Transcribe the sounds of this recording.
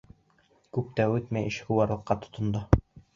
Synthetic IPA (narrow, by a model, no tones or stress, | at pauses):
kʉp̚t̪æʉt̪mæjɘ̆ʃkuwɑɾlˠɤ̆qːɑt̪ŏ̥t̪ŏnd̪o